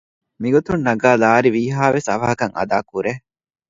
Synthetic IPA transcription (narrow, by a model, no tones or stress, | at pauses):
miɡot̪unːɐɡaːlaːɾiʋiːɦaːʋesɐʋɐɦɐkɐŋɐ̰d̪aːkuɾe